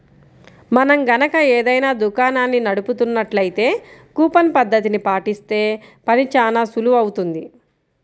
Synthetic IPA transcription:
mɐnɐmɡɐnɐkɐeːd̪ɐjnaːd̪ukaːnaːnːinɐɽuput̪unːɐʈlɐjt̪e̞ːkuːpɐnpɐd̪ʱːɐt̪̬inipaːʈist̪e̞ːpɐnit͡ʃaːnaːsuluɐwut̪und̪i

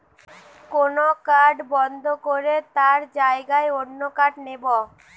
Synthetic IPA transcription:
konokaɖbɔnd̪ʱokoɾet̪aɾd͡ʒaeɡaeonːokaɖnebo

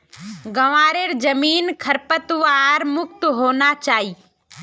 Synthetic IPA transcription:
ɡəʋaːɾeːɾd͡ʒɐmiːnkʰəɾpət̪ʋaɾmʊk̚t̪ɦoːnat͡ʃaːɦiː

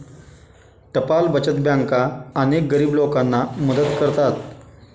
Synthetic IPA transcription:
ʈəpalbət͡ɕət̪̚bjaŋkaənek̚ɡəɾiːblokanːaməd̪ət̪kəɾt̪at̪

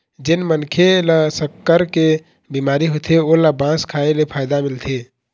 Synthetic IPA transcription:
d͡ʒenmənkʰeləsəkːəɾke | bimaɾiɦot̪ʰeolabãskʰaelepʰajd̪amilt̪ʰe

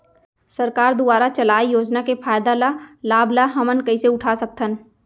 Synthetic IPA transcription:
səɾkaːɾd̪ʊbaːɾat͡ʃəlaːijoːd͡ʒnakepʰaːjd̪alalaːblaɦɐmənkɐiseʊʈʰasək̚t̪ʰən

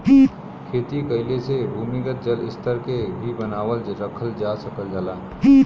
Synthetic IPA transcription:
kʰeːt̪ikəɪlesebʱumikət̪̚d͡ʒəlɪ̰st̪ʰəɾkebʱibənaːwəlɾəkʰəld͡ʒasəkəld͡ʒala

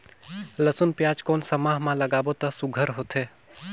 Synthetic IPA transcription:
ləsʊnpjaːd͡ʒkoːnsɐmaːɦmãləɡaːbot̪ɐsʊɡʱəɾɦoːt̪ʰeː

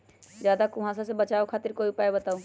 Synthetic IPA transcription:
d͡ʒjaːd̪akʊɦãsas̬ebət͡ʃaːokʰaːt̪ɪɾkoːipaːebɐt̪aːũ

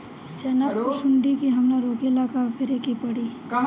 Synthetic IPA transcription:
t͡ʃɐnəʃʊɳɖikiɦɐmnaɾoːkilakaɡʱəɾekipɐɽiː

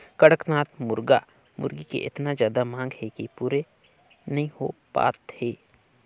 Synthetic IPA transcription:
kɐɽəknaːt̪mʊɾɡa | mʊ̰ɾɡikḛʔɪt̪nazjaːd̪amãːŋɡɦɛkipuːɾe | nɐɦĩhopa̰ːt̪heː

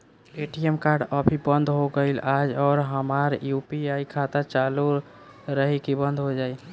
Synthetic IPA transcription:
eʈijemkaɾɖəbʱibənd̪ʱɦoɡəɪlad͡ʒɔːɾɦəmaɾjupiaikʰat̪at͡ʃalu | ɾəɦikibənd̪ɦod͡ʒaj

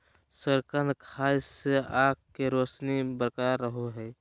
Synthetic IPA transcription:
səɾkə̃nd̪kʰaːiseaːkkːeɾosnibəɾkaɾːəɦoɦɛː

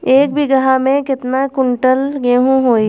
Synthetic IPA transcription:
eːk̚bʱiɡɐɦamẽkɪt̪nakʊɳʈəlɡeːɦũɦoːi

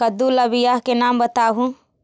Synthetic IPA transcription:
ɐd̪ulɐbɪjaːɦkenaːmbət̪aːɦũ

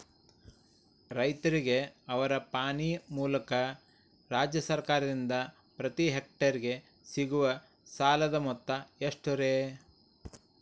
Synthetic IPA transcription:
ɾɐjt̪ɐɾiɡe̞ɐʋɐɾɐpaːɳimuːlɐkɐ | ɾaːd͡ʒjɐsɐɾkaːɾɐd̪ind̪ɐ | pɾɐt̪iɦek̚ʈɐɾiɡe̞ | siɡuʋɐ | saːlɐd̪ɐmɔt̪ːɐeʂʈuɾeː

